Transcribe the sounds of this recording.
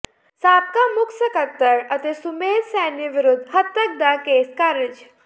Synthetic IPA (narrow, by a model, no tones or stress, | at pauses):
saːp̚kamʊkʰsəkɐt̪ːəɾɐt̪esʊmeːd̪sɛːnjeʋɪɾʊd̪ʱɦɐt̪ːək̚d̪akeːskaːɾɪd͡ʒ